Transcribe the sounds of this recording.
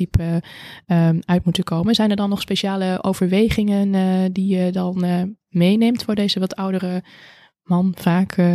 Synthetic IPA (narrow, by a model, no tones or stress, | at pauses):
ip | œɥtmutəkowmənzɛjnɛɹdɑnːɔχspeʃaːləʔowv̥əɹʋejχɪŋəndijədɑn | mejneːmtfʊːɹdejzəʋɑtʰʌwdərə | mɑnfaːk